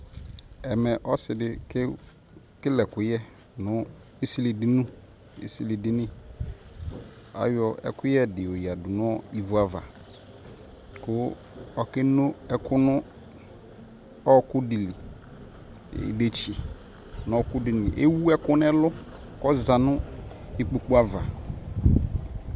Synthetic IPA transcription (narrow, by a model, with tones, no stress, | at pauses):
ɛ˨mɛ˨ʔɔ˦sɪ˨dɪ˨k | kɪ˦lɛ˨kʊ˨jɛ˦ | nʊ̃˦ | e˦si˦le˨dɪ˦nũ˦ | ḛ˨si˨le˨dɪ˦nɪ̃˦ | a̰˨˦jɔ˨ʔɛ̰˦kʊ˦jɛ˦dɪ˨o˨ji˨a˨dʊ˨nʊ̃˦ɔ˨i˨vu˨a˨va̰˨ | kʊ˦ | ɔ˨kɛ˦nʊ̃˦ɛ˦kʰʊ˦nʊ̃˦ | ɔ˦kʊ˦dɪ˨li˨ | de˨t͡ʃi˨ | n˨ɔ˦kʊ˦dɪ˨n˨ḭ˨ʔḛ˦wu˦ɛ˦kʊ˦n˦ɛ˦lʊ˦ | kɔ˦za˨nʊ̃˦e˨k͡pu˨k͡pu˦a˦va˨